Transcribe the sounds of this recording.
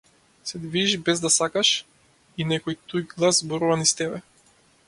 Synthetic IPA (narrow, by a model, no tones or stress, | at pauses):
sɛd̪viiʒbɛzd̪asakaʃ | inɛkɔjt̪ujɡlˠazzbɔɾuvanist̪ɛbɛ